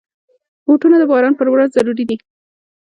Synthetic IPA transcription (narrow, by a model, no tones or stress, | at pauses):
boʈunad̪əbɑɾɑnpəɾwɾazzaɾuɾid̪i